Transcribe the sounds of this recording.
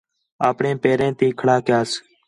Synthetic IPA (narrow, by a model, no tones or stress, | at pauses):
aːpɳẽːpeːɾẽːt̪iːkʰəɽaːkɪjaːs